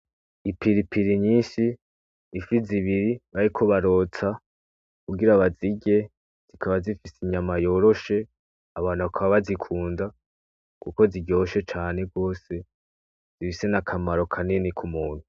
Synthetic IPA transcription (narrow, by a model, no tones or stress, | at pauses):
ipiɾipʰiɾiɲiːnʃiː | fiziβiɾiβaɾikʰoβaɾo̞t͡sa | kuɡiɾaβaziɡe̞ | z̥ikʰaβazifisiɲamajo̞ːɾo̞ʃe̞ | aβaːnuβakʰaβaβazikʰuːnda | kuko̞ziɟo̞ʃe̞t͡ʃaːne̞ɡo̞ːse̞ | z̥ifise̞nakʰamaɾo̞kʰaninikʰumuːn̥huu